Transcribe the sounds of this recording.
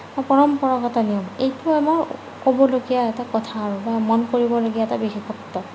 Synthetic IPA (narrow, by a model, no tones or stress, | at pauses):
ɔpɔɹɔmpɔɹɔɡɔtɔniɔmejtʊamɔɹ | kobɔloɡijaɛtakɔtʰaːɹʊbamɔnkoɹibɔloɡiaɛtabixixʰɔktɔ